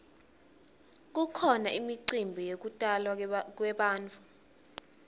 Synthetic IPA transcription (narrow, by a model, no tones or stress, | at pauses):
k̬ukʰɔnaʔimiǀimbʱijok̬utʼalwak̬wɛɓaːnt͡fʰu̥